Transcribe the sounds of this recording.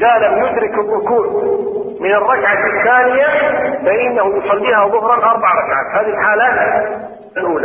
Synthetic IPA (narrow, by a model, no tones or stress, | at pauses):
ɪðalamjʊd̪ɾɪkɪrˤːʊkuːd | mɪnɪrˤːɑkʕaθːaːnɪjafaʔɪnːahujsˤɑlːiːhaðˤʊhɾˤɑʔɑɾˤbɑʕɾˤɑkʕa̰ːt̪haːðiilħaːla | alʔuːla̰